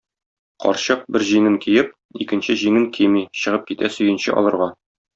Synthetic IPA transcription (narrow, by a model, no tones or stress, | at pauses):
qɒ̰ɾɕɤq̚bɘɾʑiŋɘŋkijɘp̚ | ikɘ̆nɕɘʑiŋɘŋkʰimiɕɤ̆ʁɤp̚kit̪æsɵ̆jɘ̆nɕɘ̰ʔɒ̰lˠɤ̆ɾʁɑ